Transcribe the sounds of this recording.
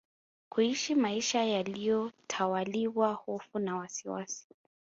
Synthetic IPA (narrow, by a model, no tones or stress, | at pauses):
kuiʃimaiʃajalijɔtʰawaliwahɔfunawasiwa̰si̥